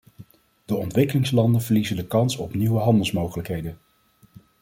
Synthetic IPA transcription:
d̥əɔntʋɪkəlɪŋslɑndənvəɹlizəndəkɑnsɔpniwəɦɑndəlˠsmowχələkɦejdən

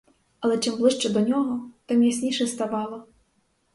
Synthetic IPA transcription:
ɐlˠɛt͡ʂɨmblˠɨʂt͡ʂɐd̪ɔnʲɔɣɔt̪amjasʲnʲiʂɐst̪avɑlˠɐ

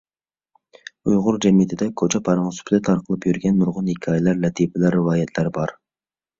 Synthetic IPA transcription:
ujʁʊɾd͡ʒɛmjɪt̪ʰɪd̪ɛkʲʰot͡ʃʰɛpʰɑɾɑŋsy̥pʰɪd̪ɛt̪ʰɑɾqʰəlˠɨpjyɾɡʲɛnːuɾʁʊnhikʲʰɑːjlæɾlɛt̪ʰipɪlæɾːɪwɑːjɛt̪ʰlæɾbɑɾ

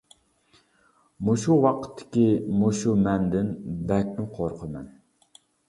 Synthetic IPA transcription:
muʃuwɑqʰə̥t̪ʰːɪ̥kʲimuʃumɛnd̪ɪnbɛk̚ʲnɪqʰoɾqʰəmɛ̰n

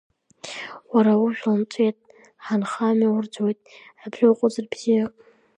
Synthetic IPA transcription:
waɾawʊʒᶣʷlant͡sʷʼetʼ | ħanχamiwʊrd͡zojtʼabrɨqʷʼʊzɨrbz̥ija

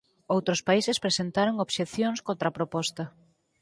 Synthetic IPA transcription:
owt̪ɾospaisespɾesent̪aɾoŋoβʃeθjoŋskõnt̪ɾapɾopɔst̪ɐ

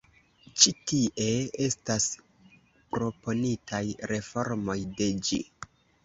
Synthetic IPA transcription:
t͡ʃitiʔe̞e̞stas | pɾo̞po̞nitʰajɾe̞fo̞ɾmo̞jde̞d͡ʒḭ

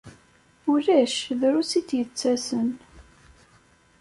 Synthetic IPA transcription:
ʊɾæʃðɾusit̪jət͡sːæsən

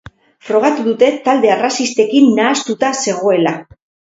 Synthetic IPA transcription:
fɾo̞ɣ̞at̪uðut̪e̞t̪ald̪e̞arasist̪e̞kinːaːst̪ut̪ase̞ɣ̞o̞e̞la

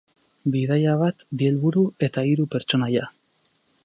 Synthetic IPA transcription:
biðajaβ̞at̪bie̞lβuɾue̞t̪aiɾupe̞ɾt͡ʃo̞naja

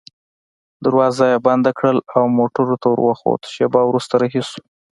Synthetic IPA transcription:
d̪aɾwɑzajaband̪akɽəlawmoʈəɾot̪awə̰ɾwaxo̰t̪ə̥ʃebɑwɾust̪aɾɑɦisu̥

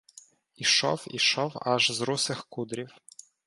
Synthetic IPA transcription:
iʃɔ̰wḭʃɔwɐ̰ʒzɾusɪxkud̪ɾʲiw

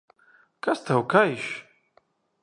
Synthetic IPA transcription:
kʰast̪ʰawkʰaiʃ

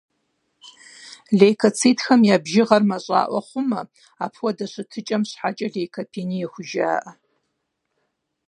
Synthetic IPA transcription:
ɮejkʰɐt͡sʰiːtʰxɐmjaːbʒɪʁɐrmɐɕʼa̰ːʔʷɔ̰χʷʊmɐ | apʰwɐdɐɕʷɨtʰɨt͡ʃʼɐmɕħat͡ʃʼɐɮejkʰɐpʰinijɛxʷʊʒa̰ːʔɐ

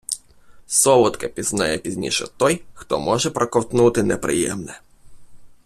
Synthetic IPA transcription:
sɔʋʊt̪kɐpʲiznajɛpʲizʲnʲḭʃɛ̰t̪ɔjxt̪ɔmɔʐɛpɾʔɐkɔwt̪nut̪ɪnɛpɾɪ̰jɛ̰mnɛ

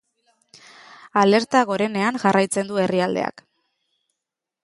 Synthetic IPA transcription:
ale̞ɾt̪aɣo̞ɾe̞ne̞aŋʝarʔajt͡se̞nd̪ueriald̪e̞̰a̰k

